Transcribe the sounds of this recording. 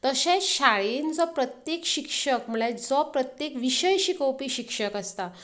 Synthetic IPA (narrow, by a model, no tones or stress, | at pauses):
t̪əɕẽɕaɭend͡zɔpɾət̪jekɕikʂəkm̤uɭed͡zɔpɾət̪jekʋiɕəjɕikəwpiːɕikʂəkəst̪a